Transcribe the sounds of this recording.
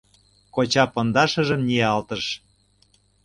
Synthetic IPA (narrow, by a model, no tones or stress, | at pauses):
kot͡ɕɑpɤ̆nd̪ɑʃɤ̆ʒə̆mniɑlt̪əʃ